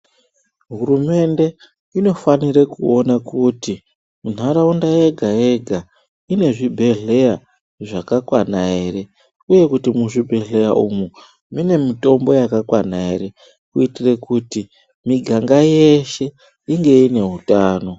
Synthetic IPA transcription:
ɦurume̞nde̞ | ino̞faniɾekuo̞nakuti | mun̤aɾaundaje̞ɡʱae̞ɡʱa | ine̞ʐibʱe̞ɮe̞ja | ʐakakwanaere̞ | uje̞kutimuʐibʱe̞ɮe̞jaumu | mine̞mito̞mbo̞jakakwanaeɾe̞ | kuitirekuti | miɡʱaŋɡaje̞ʃe̞ | iŋɡe̞ine̞ɦutaːno̞

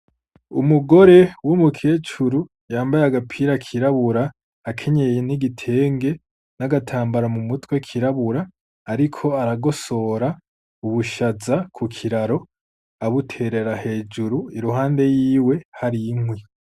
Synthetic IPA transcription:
ṵmuɡo̞ɾe̞wumukʰe̞ːt͡ʃuɾu | jaːmbajaɡapʰiɾakʰiɾaβuɾaː | kʰe̞ɲejeniɡitʰe̞ːŋɡe̞ | naɡatʰaːmbaɾamumutwe̞kʰiɾaβuɾaː | ɾikʰo̞aɾaɡo̞so̞ɾa | uβuʃazakʰukʰiɾaɾo̞ | aβutʰe̞ɾe̞ɾahe̞ːd͡ʒuɾuiɾuɦaːnde̞jiːwe̞haɾiŋwi

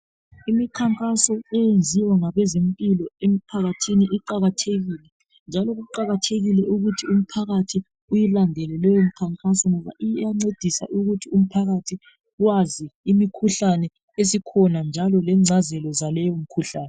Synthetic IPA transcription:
imikʰaŋkʼasɔɛjend͡zʱiwaŋaβɛzempʼilɔem̩pʰaɣatʰiniʔiǃaɣatʰeɣiːlɛ | nd͡ʒʱalɔɣuǃaɣatʰeɣilɛʔuɣutʰium̩pʰaɣatʰi | ujilandʱɛlɛlɛjom̩kʰaŋkʼasɔŋɔβa̰ʔijjaŋ͡ǀed̥ʱisa̰ʔuɣutʰium̩pʰaɣatʰi | waziːmikʰuɬanɛ | esikʰɔnand͡ʒʱalɔlɛŋ͡ǀʱazɛlɔzalɛjɔm̩kʰuɬaːnɛ

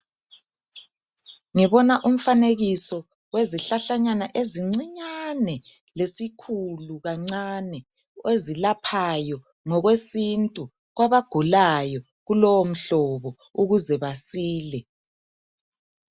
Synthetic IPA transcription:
ŋiβɔnaʔum̩faneɣisɔ | weziɬaɬaɲanaʔeziŋ͡ǀiɲanɛ | lesikʰuluɣaŋ͡ǀanɛ | ezilapʰajɔ | ŋɔɣwesintʼu | ɣwaβaɡ̥ʱulajɔ | ɣulɔwom̩ɬɔβɔ | uɣuzɛβasiːlɛ

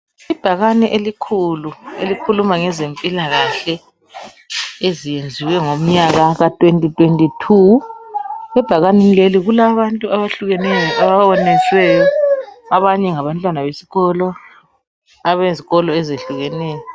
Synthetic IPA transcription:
ib̥ʱaɣanɛʔelikʰuluelikʰulumaŋɛzempʼilaɣaɬɛ | ezijend͡zʱiwɛŋom̩ɲaɣaɣatʼwentʼitʼwentʼitʰu | ɛb̥ʱaɣanenileliɣulaβantʼuaβaɬuɣɛnɛjɔʔaβawɔnɛswɛjɔaβaɲɛŋaβantʼwanaβesi̥ɣɔlɔ | aβeziɣɔlɔezeɬuɣɛnɛːjɔ

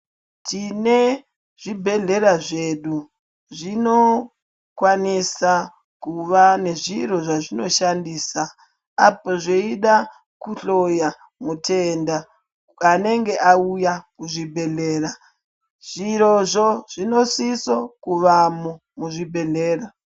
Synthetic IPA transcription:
tʰine | ʐibʱe̞ɮe̞ɾaʐe̞ɗu | ʐino̞ | kwanisa | kuʋane̞ʐiɾo̞ʐaʐino̞ʃandiːsa | a̰poʐeiɗa | kuɬo̞ja | mutʰenda | ane̞ŋɡe̞ʔaujakuʐibʱe̞ɮe̞ːɾa | ʐ̥iɾoʐoʐ̥ino̞sisokuʋamo | muʐibʱe̞ɮeːra

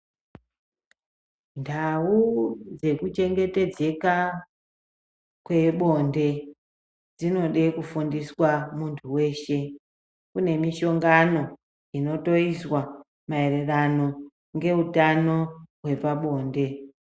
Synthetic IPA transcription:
ndʱawud͡ze̞kut͡ʃe̞ŋɡe̞te̞d͡ze̞ka | kwe̞ɓo̞nde̞ | d͡zino̞ɗe̞kufundiswamuntʰuwe̞ːʃe̞ | kune̞miʃo̞ŋɡano̞ | ino̞to̞iswa | mae̞re̞rano̞ | ŋɡe̞utano̞we̞paɓo̞ːnde̞

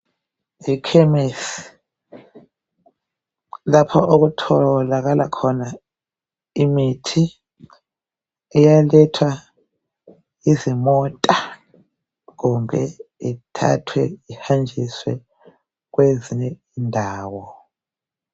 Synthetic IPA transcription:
ikʰɛmis | lapʰɔʔok̬utʰɔlak̬alʔakʰɔna | imitʰi | ɛjalɛtʰwa | izimɔtʼa | k̬umbʱɛitʰa̰tʰwɛihand͡ʒʱiswɛ | k̬weziɲɛindʱaːwɔ

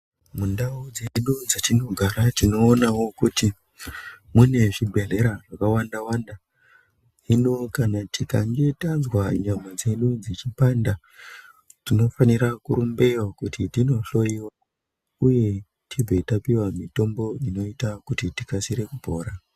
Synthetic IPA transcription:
mundaud͡zeɗud͡zatino̞ɡʱaɾatino̞ːnawo̞kuti | mune̞ʐibʱeɮe̞ɾaʐakawandawanda | ɦinokanatikaŋɡe̞tanzwaɲamad͡zeɗud͡zet͡ʃipanda | tino̞faniɾakuɾumbe̞wakutʰitino̞ɬo̞jiwa | uje̞ | tʰib͡vʱetapiwamito̞mbo̞ino̞itakutitikasiɾe̞kupo̞ːɾa

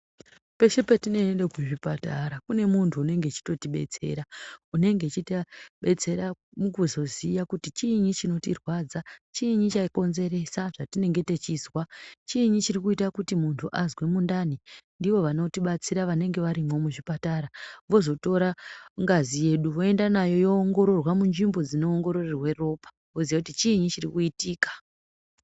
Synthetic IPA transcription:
pe̞ʃepetine̞enɗekuʐipataɾakune̞muntʰuːne̞ŋɡe̞t͡ʃi̥to̞tiɓe̞̰t͡se̞̰ɾaune̞ŋɡet͡ʃitaɓe̞t͡se̞ɾa | mukuzo̞zijakutit͡ʃiɲit͡ʃino̞tirwad͡zat͡ʃiɲit͡ʃaiko̞nze̞ɾe̞saʐatine̞ŋɡe̞te̞t͡ʃiːzwat͡ʃiɲit͡ʃirikuitakutimuntʰuʔazwe̞mundanindiʋo̞ʋano̞tiɓat͡siɾaʋane̞ŋɡe̞ʋaɾimwo̞muʐipataɾaʋo̞zo̞to̞ɾaŋɡazije̞ɗuʋo̞endanajo̞jo̞ːŋɡo̞ɾo̞rwamunʐimbo̞d͡zino̞ːŋɡo̞ɾo̞rerwe̞ro̞pḁ | ʋo̞zijak̬utit͡ʃiɲit͡ʃirikuitiːkḁ

